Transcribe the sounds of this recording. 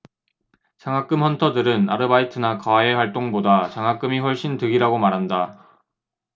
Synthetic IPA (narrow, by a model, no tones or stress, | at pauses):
t͡ɕaŋɦak͈ɯmɸʌntʰʌdɯɾɯna̰ɾɯbaitʰɯnakae̞ɸwaɭt͈oŋbodat͡ɕaŋɦak͈ɯmiɸwʌɭɕ͈intɯɡiɾaɡomaɾɦanda